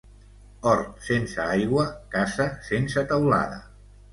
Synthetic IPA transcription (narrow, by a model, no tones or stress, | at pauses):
ɔɾt̪sensəajɣwəkasəsensət̪awla̰ðə̰